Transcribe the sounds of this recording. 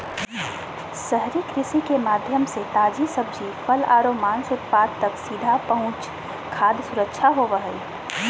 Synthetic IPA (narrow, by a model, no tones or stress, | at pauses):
səɦɾikɾɪsikemaːd̪ʱjəmset̪aːd͡ʒisəb̚d͡ʒifʰəla̰ːɾoːmaːnsʊt̪̚paːd̪̚t̪ɐksid̪ʱapəɦʊ̃t͡ʃ | kʰaːd̪sʊɾəkʃʰaɦoːʋəɦəi